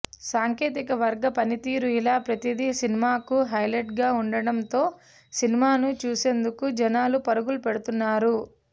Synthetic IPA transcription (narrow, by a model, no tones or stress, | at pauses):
saːŋkeːt̪ikɐʋɐɾɡɐpɐnit̪iːɾuilaːpɾɐt̪id̪isinimaːkuɦɐjleʈɡaːuɳɖɐɽɐmt̪o̞ː | sinimaːnut͡ʃuːse̞ːnd̪ukud͡ʒɐnaːlupɐɾuɡulupɛɽut̪unːaːɾu